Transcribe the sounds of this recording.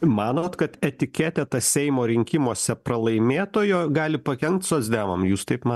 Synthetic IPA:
mɑːnoːt̪kɐt̪ɛt̪ʲɪkʲɛt̪ʲɛt̪ɐsʲɛɪmoːɾʲɪŋʲkʲɪmoːsʲɛpɾɐlˠɐɪmʲeːt̪oːjoːɡɑːlʲɪpɐkʲɛŋkt̪soːs̬ʲd̪ʲæːʋɐmjuːst̪ɐɪpmɑː

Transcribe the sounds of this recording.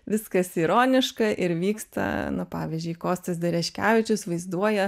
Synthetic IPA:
ʋʲɪskɐsiːɾoːnʲɪʃkɐʔɪɾʋʲiːkst̪ɐ̰nʊpɑːʋʲiːzʲd͡ʒʲʊɪkoːst̪ɐsd̪ʲɛɾʲɛʃʲkʲæːʋʲɪt͡ʃʲʊsʋɐɪzd̪uɔjɛ

